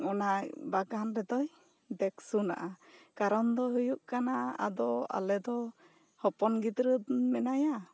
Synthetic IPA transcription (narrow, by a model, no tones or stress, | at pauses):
ɔnabaɡanɾɛd̪ɔj | d̪ɛksuna̰ʔakaɾɔnd̪ɔɦujuʔkanaa̰d̪ɔa̰lɛd̪ɔ | hɔpɔnɡit̪ɾəmɛnaja